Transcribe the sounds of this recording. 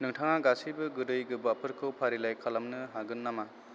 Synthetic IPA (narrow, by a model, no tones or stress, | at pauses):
nɯŋtʰaŋaɡasibɯɡɯdɯjɡɯbapʰɯɾkʰɯwpʰaɾilajkʰalamnɯɦaɡɯnːama